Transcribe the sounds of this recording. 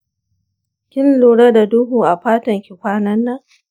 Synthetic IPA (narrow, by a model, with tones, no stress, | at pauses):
kʲɪ˦nluː˨ɽɐ˦da˨dʊ˦huː˨ʔa˨ɸaː˦tɐ˨ŋkʲɪ˨kʷaː˦nɐ˦nːɐ˦ŋ